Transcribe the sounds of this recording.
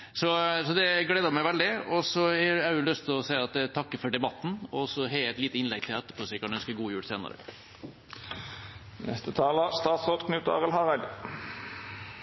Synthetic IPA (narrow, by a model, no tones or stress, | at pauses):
sɔsɔd̪ɛɡleːd̪ɑmæɪʋæld̪ɪɔsɔhɛɑʉʉlœst̪ʰɪlɔsæɪɑt̪̚æt̪ʰɑkːəfɔɖɛbɑt̪ːn̩ɔsɔɦɛæɪt̪liːt̪əɪnlɛɡ̚t̪ʰɪlæt̪ːə̥pʰoːsɛɪkɑnœnskəɡuːəjuːɽseːnɑ̰ɾə̰ | nɛ̰st̪ət̪ʰɑːləst̪ɑːt̪sʁoːd̪kʰnʉːt̪ɑ̰ːʁəlɦɑʁæd̪